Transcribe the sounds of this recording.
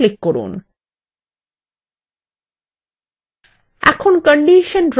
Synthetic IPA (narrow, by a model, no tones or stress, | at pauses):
likːoɾṵn | ɛ̰kʰonkəɳɖiʃənɾ